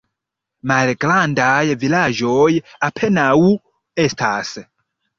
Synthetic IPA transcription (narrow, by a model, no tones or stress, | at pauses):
maɾɛkʼlandajɛvilaʒɔjɛapʰɛnau | ɛstʰaːsɛ